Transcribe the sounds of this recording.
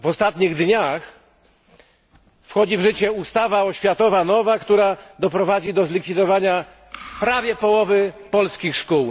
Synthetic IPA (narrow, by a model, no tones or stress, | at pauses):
vɔst̪at̪ɲiɣd̪ɲax | fxɔd͡ʑivʐɘt͡ɕɛust̪avaɔɕfʲjat̪ɔvanɔvakt̪uɾad̪ɔpɾɔvad͡ʑid̪ɔzlʲikfʲid̪ɔvaɲa | pɾavʲjɛpɔwɔvɘpɔlskʲixʂkuw